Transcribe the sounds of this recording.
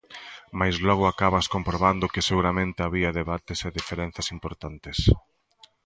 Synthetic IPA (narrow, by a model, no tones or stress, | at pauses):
majzlɔɣ̞ʊakaβɐskompɾoβand̪ʊkɪseɣuɾamẽnt̪eaβiɐðeβat̪eseðifeɾɛn̟θjɐsimpoɾt̪ant̪ɪs